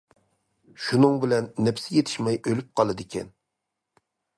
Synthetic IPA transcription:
ʃunɨŋbɪlɛnːɛpsɪjet̪ʰɪ̥ʃmɛjølyp̚qʰɑlˠɨd̪ɪkʲʰɛ̰n

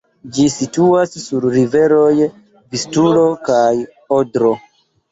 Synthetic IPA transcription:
d͡ʒisituasːuɾɾive̞ɾoj | vistulo̞kaj | odɾo̞

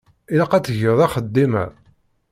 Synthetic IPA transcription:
ilæqæt͡sːəʝəðˤɑχəd̪ːimæ̰

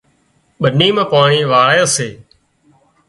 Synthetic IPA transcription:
ɓəniːmãːpaːɳiːʋaːɭːjːseː

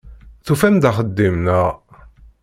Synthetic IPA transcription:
θufænd̪aχəd̪ːimnəʁ

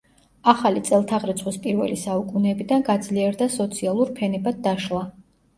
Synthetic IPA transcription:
aχalit̪sʼɛlˠt̪ʰaʁɾɛt̪sʰχwispʼiɾvɛ̰lisaukʼunɛbid̪anɡad̪zliɛɾd̪asɔt̪sʰialˠuɾpʰɛnɛbad̪̚d̪aʃlˠa

